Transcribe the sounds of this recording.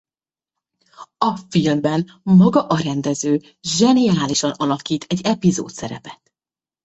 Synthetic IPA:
ɒfilmbɛn | mɒɡɒʔɒɾɛnd̪ɛzøː | ʒɛnijaːliʃɒnɒlɒkiːt̪ʰɛɟːɛpizo̰ːt̪sɛɾɛpɛt̪

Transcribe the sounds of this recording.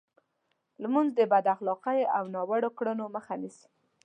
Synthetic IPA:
lmunzd̪əbad̪axlɑqajawnɑwaɽokɽənoməxanisi̥

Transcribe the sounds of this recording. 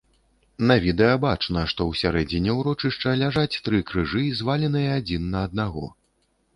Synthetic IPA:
nɐvʲid̪ɛjɐbat͡ʂnɐʂt̪ɔwsʲaɾɛd͡zʲinʲɛwɾɔt͡ʂɨʂt͡ʂɐlʲaʐat͡sʲt̪ɾɨkɾɨʐɨzvalʲin̪ɨjɐad͡zʲinːɐːd̪̚naɣɔ̰

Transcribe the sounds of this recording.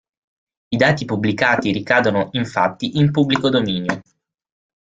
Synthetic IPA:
id̪aːt̪ipublikaːt̪iɾikaːd̪onoʔiɱfa̰t̪ːiʔimpubːlikod̪omiːnjo

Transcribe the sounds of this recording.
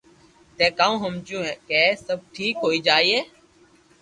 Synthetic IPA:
t̪eːkaːũːɦəmd͡ʒũːẽːkeːsəb̚ʈʰiːkɦoːiːd͡ʒaːiːeː

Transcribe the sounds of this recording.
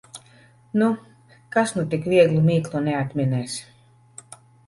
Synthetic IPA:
nu | kasnut̪ikvʲiɛɡlˠumiːklˠunɛat̪mʲinɛːs

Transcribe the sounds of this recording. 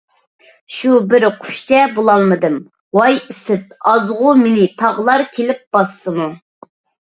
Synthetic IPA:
ʃubɪɾqʰʊ̥ʃt͡ʃʰɛbolˠɑlˠmɨd̪ɨm | wɑjɪsɪt̪̚ɑzʁʊmenɪt̪ʰɑʁlˠɑɾkʲʰelɪp̚b̥ɑsːɨmu

